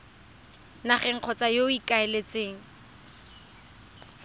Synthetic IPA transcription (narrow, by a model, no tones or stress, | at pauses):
naχɛŋ̩q͡χʰɔt͡sajoikaelet͡seːŋ̩